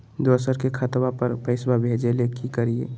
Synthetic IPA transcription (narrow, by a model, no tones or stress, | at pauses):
d̪oːsəɾkekʰət̪bapəɾpəɪsbabʱed͡ʒelekʰikəɾiḛ